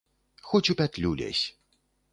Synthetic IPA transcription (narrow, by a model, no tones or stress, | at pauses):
xɔt͡ɕʲupʲat̪ʲlʲulʲɛ̰sʲ